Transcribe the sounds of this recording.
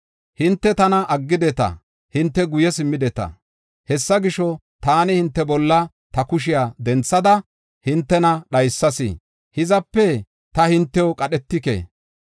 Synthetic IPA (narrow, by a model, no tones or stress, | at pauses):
hɪnt̪ːɛt̪ɐnɐʔɐɡːɪd̪ɛt̪ɐ̰ | hɪnt̪ːɛɡʊjɛsɪmːɪd̪ɛt̪ɐ̰ | hɛsːɐɡɪʃɔ | t̪aːnɪhɪnt̪ːɛbɔlːɐ | t̪ɐkʊʃ̬ɪjaːd̪ɛnt͡sːɐd̪ɐ | hɪnt̪ːɛnɐɗɐjsːɐsḭ | hɪzɐpːɛ | t̪ɐhɪnt̪ːɛɔkʼɐɗɛt̪ːɪkḛ